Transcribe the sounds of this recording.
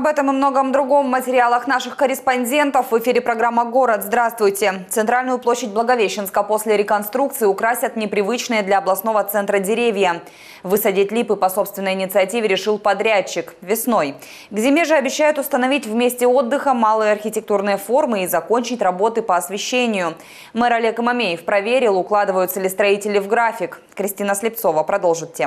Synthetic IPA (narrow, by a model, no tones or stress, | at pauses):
ɐbɛt̪əmɨmno̞ɡəmd̪ɾʊɡo̞mːətʲɪɾʲɪalˠəxnaʂɨxkəɾʲɪspɐnʲdʲe̞nt̪əfvɨfʲiɾʲɪpɾɐɡɾamːəɡo̞ɾət̪zd̪ɾast̪vʊjtʲɪt̪sɨnt̪ɾalʲnʊjʊplˠoɕːɪdʲtʲblˠəɡɐvʲeɕːɪnskəpo̞sʲlʲɪɾʲɪkɐnst̪ɾuk̚t̪sɨɪʊkɾasʲət̪nʲɪpɾʲɪvɨt͡ɕnɨjəd̪lʲɐːblˠɐsno̞vət̪sɛnt̪ɾədʲɪɾʲevʲjə | vɨsɐdʲitʲlʲipɨpɐso̞pst̪vʲɪnːəjɪnʲɪt̪sɨɐtʲivʲɪɾʲɪʂɨlˠpɐd̪ɾʲæt͡ɕːɪkvʲɪsno̞j | ɡzʲɪmʲeʐɨɐbʲɪɕːæjʊt̪ʊst̪ənɐvʲitʲvmʲesʲtʲɪo̞d̪ːɨxəmalˠɨjəɐrxʲɪtʲɪk̚t̪urnɨjəfo̞rmɨizɐko̞nʲt͡ɕɪtʲrɐbo̞t̪ɨpəːɐsvʲɪɕːenʲɪjʊ | mɛɾɐlʲeɛkəmɐmʲejɪfpɾɐvʲeɾʲɪlˠʊklˠad̪ɨvəjʊt̪səlʲɪst̪ɾɐitʲɪlʲɪvɡɾafʲɪk | kɾʲɪsʲtʲinəslʲɪp̚tso̞vəpɾɐd̪o̞lˠʐɨt̪̚tʲːe